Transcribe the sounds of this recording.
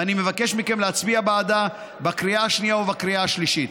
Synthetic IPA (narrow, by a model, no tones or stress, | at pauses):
animevake̞ʃmike̞mleat͡sbiabaːd̪a | bakʁiaaʃnijaobakʁiaaʃliʃit̪